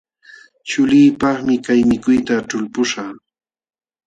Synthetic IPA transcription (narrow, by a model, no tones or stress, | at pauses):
t͡ʃʊliːpɑχmɪkajmɪkʊjt̪aʈ͡ʂʊlpʊʃɑː